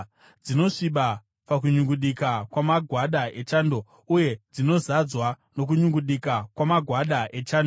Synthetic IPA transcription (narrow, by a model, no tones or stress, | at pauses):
d͡zino̞ʂiɓa | pak̬uɲuŋɡuɗikakwamaɡʱwaɗae̞t͡ʃaːndo̞ | uje̞d͡zino̞zad͡zwa | no̞k̬uɲuŋɡuɗikakwamaɡʱwaɗaʔe̞t͡ʃaːndo